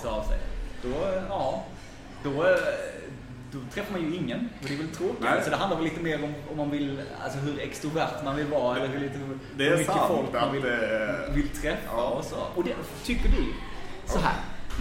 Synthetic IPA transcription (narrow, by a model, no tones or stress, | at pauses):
t̪ɑvsɛ̰jd̪̥ɔɑː | d̪ɔ | d̪ɔt̪ʰɾɛfːaɾmanjɵɪŋːənɔd̪ɛvɛlt̪ʰɾoːkɪsɔd̪ɛɦand̪aɾvɛliːt̪əmeːɾɔmɔmːanvɪla̰lsɔɦɵɾɛkst̪ɾʊvæɾʈ̪manvɪlvɑːɛlːəɾɦʉliːt̪əh | d̪ɛmʏkːəfɔkmanvɪlɛvɪlt̪ʰɾɛfːaɔsɔɔd̪ɛ | t̪ʰʏkːədɪ | sɔɦæ̰ːɾ